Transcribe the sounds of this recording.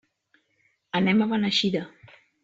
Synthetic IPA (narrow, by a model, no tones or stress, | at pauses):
ənɛmaβanəʃiðə